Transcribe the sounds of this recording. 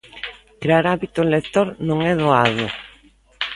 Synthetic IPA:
kɾeaɾaβit̪ʊenlekt̪oɾnõŋɛðoaðʊ

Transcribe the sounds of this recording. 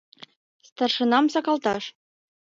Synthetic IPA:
st̪ɑrʂɤ̆nɑmsɑkɑlˠt̪ɑʃ

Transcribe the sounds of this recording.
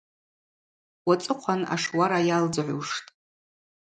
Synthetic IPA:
wat͡sʼɨqʷʰana̰ʂwaɾajald͡zʕʷuʂtʼ

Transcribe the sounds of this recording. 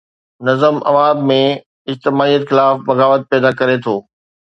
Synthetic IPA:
nɐzəmɐ̰ʋaːbmẽ | ɪd͡ʑt̪ɪmaːijət̪xɪlaːfbɐɣaːʋət̪̚pɛːd̪akɐɾet̪ʰoː

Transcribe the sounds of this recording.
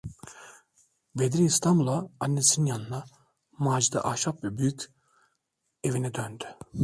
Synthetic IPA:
bed̪ɾiːst̪ʰambulˠaːnːesinjanɯna | maːd͡ʒid̪a̰ʔaʃapvɛbyjycʲ | evinɛd̪ønd̪y̥

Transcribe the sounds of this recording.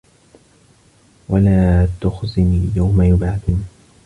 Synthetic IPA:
walaːt̪ʊxzɪniːjawmajʊbaːdɪn

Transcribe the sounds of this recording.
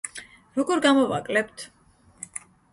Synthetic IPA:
ɾɔɡɔɾɡamɔva̰kʼlɛpt̪ʰ

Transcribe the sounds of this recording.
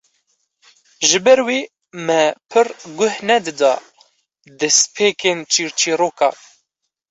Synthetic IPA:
ʒɨbɛɾwiː | mɛpʰɨrɡʊhnɛd̪ɨd̪ɑ̰ː | d̪ɛspʰeːkeːnt͡ʃʰiːɾt͡ʃʰiːroːkɑː

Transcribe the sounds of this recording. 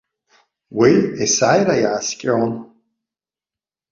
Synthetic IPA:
wiesajɾajaʕːskʲʼown

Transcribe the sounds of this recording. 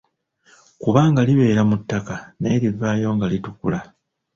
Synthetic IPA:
kuβaːŋɡaliβe̞ːɾamutːakaneɾivaːjo̞ːŋɡalitukula

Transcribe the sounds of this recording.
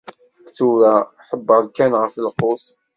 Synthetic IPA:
θuɾa | ħəbːəɾðkænʁəflχʊsˤ

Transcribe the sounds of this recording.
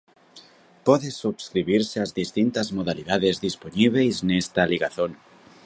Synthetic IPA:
pɔðesuβskɾiβiɾseazðist̪int̪azmoð̞aliðaðezðisponiβ̞ejznest̪aliɣaθon

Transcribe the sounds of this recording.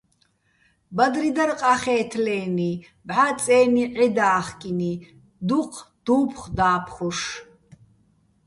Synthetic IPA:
bad̪rid̪ɐɾqʼaχɛːt̪ʰlɛːni | bʕat͡sʼɛːniʕɛd̪aːχkʼini | d̪uqʰd̪̥uːpʰχd̪aːpʰχɔʂ

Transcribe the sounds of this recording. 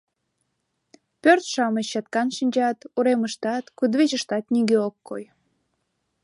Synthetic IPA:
pørt̪ʃɑməɕɑt̪kɑnʃinʲd͡ʑɑt̪uɾeməʃt̪ɑt̪kud̪βet͡ɕəʃt̪ɑt̪niɡeokːo̰j

